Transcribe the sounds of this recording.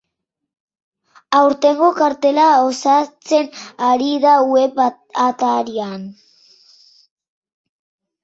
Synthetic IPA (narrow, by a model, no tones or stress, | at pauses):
awɾt̪e̞ŋɡokaɾt̪e̞laosat͡se̞naɾiðawe̞p | at̪aɾian